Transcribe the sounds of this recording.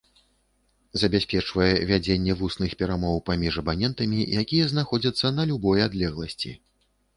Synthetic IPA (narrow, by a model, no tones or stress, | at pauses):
zɐbʲasʲpʲɛt͡ʂvɐjɛvʲad͡zʲenʲːɛvusnɨxpʲɛɾamɔwpamʲiʐɐbanʲɛnt̪ɐmʲijakʲijɛznaxɔd͡zʲɐt̪sːɐnɐlʲubɔjad̪lʲɛɣlˠɐsʲt͡sʲḭ